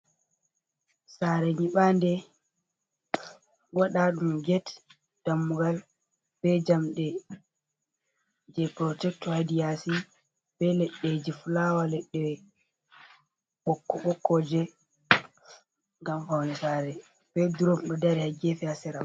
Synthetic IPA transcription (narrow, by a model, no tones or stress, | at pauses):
saɾɛɲiɓandɛ | waɗaɗumɡɛt | d̥amːuɡal | b̥ɛd͡ʒamɗɛ | d͡ʒɛpɾɔtɛk̚tɔhadijasi | b̥ɛlɛɗːed͡ʒifulawalɛɗːɛ | ɓɔkːɔɓɔkːɔd͡ʒɛ | ŋɡamfawnɛsaːɾɛ | b̥ɛduɾɔmɗɔdaɾɛhaɡefɛasɛɾam